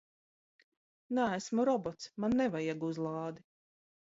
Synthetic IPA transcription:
nææsmuɾɔbɔt̪smanːɛvajaɡuzlˠɑːd̪i

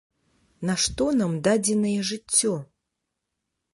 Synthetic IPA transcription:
naʂt̪onamd̪ad͡zʲinɐjɛʐɨt͡sʲːo

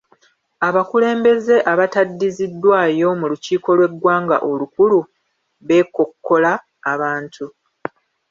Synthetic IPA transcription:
aβakule̞ːmbe̞ze̞ʔaβatadːizidːwaːjo̞muluciːko̞lwe̞ɡwaːŋɡa̰ʔo̞lukulu | βe̞ːko̞kːo̞laː | βaːntʰu

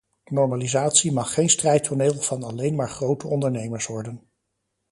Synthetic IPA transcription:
nɔɹmaːlizaːtsimɑχːejnstrɛjtoneːlˠv̥ɑnɑlejnmaːɹχrowtəɔndəɹnejməɹsʋɔɹdən

